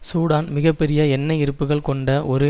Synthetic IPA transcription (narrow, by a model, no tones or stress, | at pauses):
suːɽaːnmɪɣɐpːɛɾɪjɐɛnːɐɪɾɯpːɯɣɐɭkɔɳɖɐʔɔɾɯ